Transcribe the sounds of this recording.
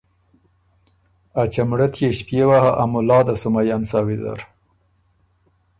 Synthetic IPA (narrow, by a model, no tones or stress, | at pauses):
at͡ʃamɽat̪jeʃpjewahaʔamʊlɑd̪asʊmajɑnsɑwid̪a̰ɾ